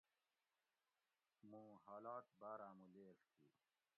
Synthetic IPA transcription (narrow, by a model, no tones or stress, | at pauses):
mũːɦaːlaːt̪baːɾaːmuleːkt̪ʰḭ